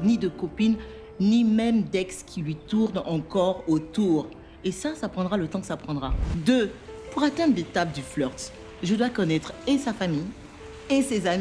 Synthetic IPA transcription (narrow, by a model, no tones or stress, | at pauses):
nid̪əkɔpin | nimɛmd̪ɛkskʲʰilɥit̪uʁnɑ̃kɔʁot̪uʁ | esasapχɑ̃d̪ʁalət̪ɑ̃kə̥sapχɑ̃d̪ʁad̪ø | puʁat̪ɛ̃d̪ʁlet̪ap̚d̪yflœʁt̪ | ʒəd̪wakɔnɛt̪χesafamij | esezami